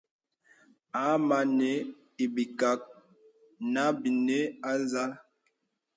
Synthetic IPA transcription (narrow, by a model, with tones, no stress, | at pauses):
a˨˦ma˨ne˨˦ | i˨bi˨ka˨˦k̚ | na˦bi˨ne˦a˦za˦l